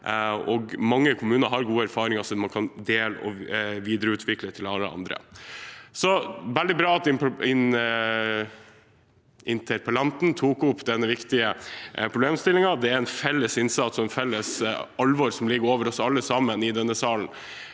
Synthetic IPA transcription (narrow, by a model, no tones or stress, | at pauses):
ɔɡmɑŋːəkʰʊmʉːnəɾɦɑɾɡuːəæɾfɑːɾɪŋɑsɔmɑnkʰɑnd̪eːlə̰ʔɔ̰ʋiːd̪ɾəʉːt̪ʰʋɪklət̪ʰɪlɑlːəɑ̰nd̪ɾə̰ | sɔʋɛld̪ɪbɾɑːɑt̪ɪpɪn | ʔɪnt̪ʰɛɾpʰɑlɑnt̪n̩t̪ʰuːkʊpːd̪ɛnːəʋɪkt̪ɪəpʰɾʊbleːmst̪ɪlɪŋɑd̪ɛæɾɛnfɛlːəsɪnsɑt̪sɔɛnfɛlːəsɑlʋɔɾsɔmlɪɡəɾoːʋəɾɔsɑlːəsɑmənɪd̪ɛnːəsɑːln̩